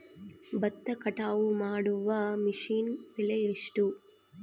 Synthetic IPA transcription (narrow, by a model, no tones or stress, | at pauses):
bɐt̪ːɐkɐʈaːwumaːɽuʋɐmiʂiːnpilɐjeʂʈu